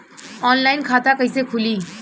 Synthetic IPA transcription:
ɔːnlaɪnkʰat̪akəjsekʰuli

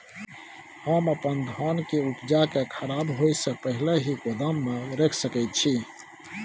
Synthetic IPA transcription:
həməpənd̪ʱɔnkeupd͡ʒakekʰəɾabɦojsəpəɦileɦikod̪əmːeɾekʰsəkɛjt̪̚t͡ʃʰi

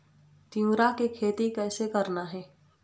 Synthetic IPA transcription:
t̪iũːɾakekʰeːt̪ikɛːsekɐɾnaɦɛː

